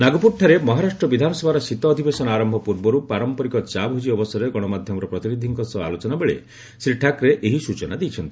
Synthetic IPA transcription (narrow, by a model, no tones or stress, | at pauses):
naɡupuɾʈʰːaɾemɔɦaɾaʃʈɾɔbid̪ʱanɔsɔbʱaɾɔsit̪ɔːd̪ʱibesɔnaɾɔmbʱɔpuɾbɔɾupaɾɔmpɔɾikɔt͡ʃabɦud͡ʒiɔbɔsɔɾeɡɔɽ̃ɔmad̪ʱjɔmɔɾɔpɾɔt̪iɾid̪ʱiŋkɔsɔa̰lot͡ʃɔnabeɭḛ | sɾiʈʰakɾeʔeɦisut͡ʃɔnad̪ejt͡ʃʰɔnt̪ii